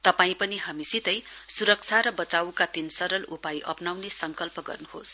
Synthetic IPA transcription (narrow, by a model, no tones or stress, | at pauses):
t̪ʌpaĩpʌniɦamisit̪ʌjsuɾʌk̚t͡sʰaɾʌbʌt͡sawkat̪insʌɾʌlupajʔʌpnawnesʌŋkʌlpʌɡʌ̰rnuhos